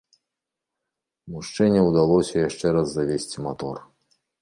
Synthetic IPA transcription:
muʂt͡ʂɛnʲːɛwd̪alˠɔsʲɐjaʂt͡ʂɛɾazːavʲesʲt͡sʲimat̪ɔr

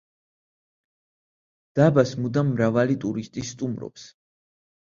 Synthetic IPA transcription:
d̪̥abasmud̪amɾavalit̪ʼuɾist̪ʼisːt̪ʼumɾɔ̰ps

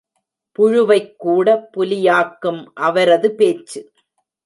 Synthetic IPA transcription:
pʊɻʊʋɐɪkːuːɽɐpːʊlɪjaːkːɯmʔɐʋɐɾɐðɯpeːt͡ʃːɯ

